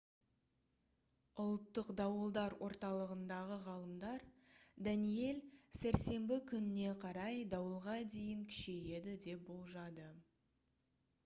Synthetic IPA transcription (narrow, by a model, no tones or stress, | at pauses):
ʊlˠt̪ːəqd̪ɑwəlˠd̪ɑɾwʔo̞ɾt̪ɑlˠəʁənd̪ɑʁəʁɑlˠəmd̪ɑɾd̪ænije̞lsæɾse̞mbɪkʲʰʏnɪne̞qʰɑɾɑjd̪ɑwəlˠʁɑd̪e̞jɪŋkʲʰɪ̥ʃe̞je̞d̪ɪd̪e̞p̚bo̞lˠʒɑd̪ə